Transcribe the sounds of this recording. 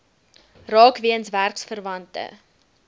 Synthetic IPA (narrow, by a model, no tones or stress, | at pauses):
rɑːkviənsværksfərvɐntə̰